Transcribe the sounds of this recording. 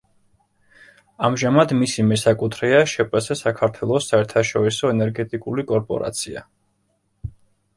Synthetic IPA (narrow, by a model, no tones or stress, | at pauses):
amʒamad̪misimɛsakʼut̪ʰɾɛaʃɛpʼɛsɛsakʰaɾt̪ʰwɛlˠɔsaɛɾt̪ʰaʃɔɾisɔɛnɛɾɡɛt̪ʼikʼulikʼɔɾpʼɔ̰ɾa̰t̪sʰia̰